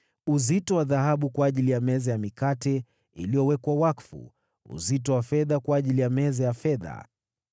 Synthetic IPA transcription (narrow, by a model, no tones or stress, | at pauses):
uzitɔwaðaɦaɓukwaːʄilijamɛzajamikatɛ | ḭlijɔwɛkwawakfṵ | ṵzitɔwafɛðakwaːʄilijamɛzɛjafɛða̰